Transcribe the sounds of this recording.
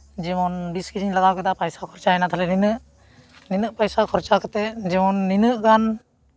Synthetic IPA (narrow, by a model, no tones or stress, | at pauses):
d͡ʒɛmɔnbiskiɾiŋlaɡawkɛd̪apajsakʰɔɾt͡ʃaɛnat̪ʰalɛninɯʔ | ninɯʔpajsakʰɔɾt͡ʃakat̪ɛd͡ʒɛmɔnːinɯʔɡan